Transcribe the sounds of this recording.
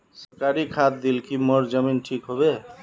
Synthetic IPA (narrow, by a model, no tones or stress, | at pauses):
səɾkaɾikʰat̪̚d̪ilkimɔɾd͡ʒəminʈʰikɦobe